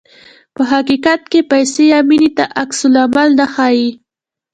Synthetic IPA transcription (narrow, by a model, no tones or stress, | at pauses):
pəɦakikat̪̚kepajsejaminit̪aʔaksʊlamalnaxaji